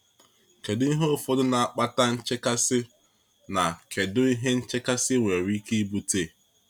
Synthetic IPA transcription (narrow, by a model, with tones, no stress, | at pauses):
ke˨dʊ˦i˦ɦo˦fo˦dʊ˦na˨a˨k͡pa˦ta˦n̩˦t͡ʃɪ˦ka˦sɪ˦ | na˨ke˨dʊ˦i˦ɦe˦n̩˦t͡ʃe˦ka˦sɪ˦ŋʷe˨ɾi˦ki˦i˦bu˦te˦˨